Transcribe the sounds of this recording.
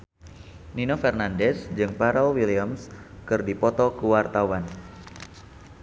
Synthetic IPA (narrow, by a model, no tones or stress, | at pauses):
ninofɛrnandɛsd͡ʒɨŋpaɾɔlwiliamskɨrdipɔt̪ɔkəwart̪awan